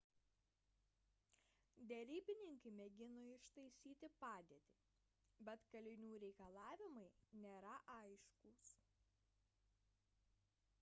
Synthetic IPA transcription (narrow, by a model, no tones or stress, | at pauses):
d̪ʲɛɾʲiːbʲɪnʲɪŋkɐɪmʲɛɡʲɪnoɪʃt̪ɐɪsʲiːt̪ʲɪpɑːd̪ʲeɛt̪ʲi | bʲɛt̪kɐlʲɪnʲuːɾʲɛɪkɐlˠɑːʋʲɪmɐɪnʲeːɾɐʔɐɪʃkuːs